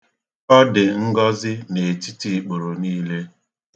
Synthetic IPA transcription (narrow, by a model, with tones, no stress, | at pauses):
ɔ˦dɪ˨ŋ̩˦ɡɔ˦zɪ˦ne˨ti˦ti˨k͡po˨ɾo˨niː˦le˦